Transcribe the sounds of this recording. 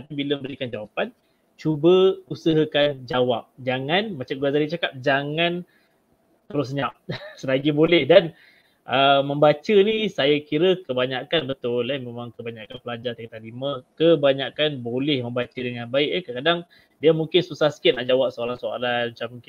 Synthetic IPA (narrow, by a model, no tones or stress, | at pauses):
t̪apibiləməbəɾikand͡ʒawapan | t͡ʃubəusəɦəkand͡ʒawap̚d͡ʒaŋanmat͡ʃamɡuazadit͡ʃakap̚d͡ʒaŋan | t̪əɾʊs̬ɲap̚səlaɡibolɛhdan | ʔəmə̃mbat͡ʃənisajakiɾəkəbaɲakanbət̪ʊlamemaŋkəbaɲaʔkanpəlad͡ʒat̪akt̪aliməkəbaɲaʔkanbolɛhməmbat͡ʃədəŋanbaɪʔk̚akəkadaŋ | diamũŋkɪnsusahsə̥kɪt̪̚naʔd͡ʒawap̚soalansoa̰lanmat͡ʃamːuŋkɪn